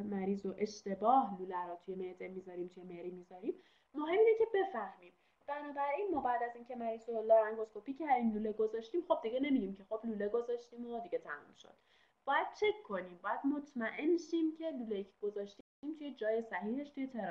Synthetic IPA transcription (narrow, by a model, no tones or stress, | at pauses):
mæɾiːzo̞ʔe̞ʃt̪e̞bɒːhluːlæɾɔːt̪ʰujemed̪emiːzɒɾiːmt̪ʰujemeɾiːmizɒɾiːmː | oɦe̞mːiːnecʰe̞be̞fæhmiːm | b̥ænɒːbæɾʔiːnmɒːbæːd̪æziːncʰe̞mæɾiːzolɒːɾæŋɡoskʰopʰiːcʰææɾd̪inluːleɡo̞zɒʃt̪iːmxo̞b̚d̪iɟene̞mid̪iːmcʰe̞xo̞bluːleɡo̞zɒʃt̪iːmod̪iɟe̞t̪ʰæmṵmʃo̰d̪̥ | b̥ɒːjæd̪̥̚t͡ʃʰe̞kʰːo̞niːmbɒːjæd̪̥mot̪ʰmæʔenʃiːmcʰe̞lulejicʰeɡ̥o̞zɒʃt̪i | iːmt̪ʰuje̞d͡ʒɒːje̞sæhiːheʃt̪ujet̪ʰeɾ